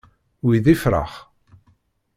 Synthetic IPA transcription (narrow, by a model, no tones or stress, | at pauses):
wiðifɾa̰χ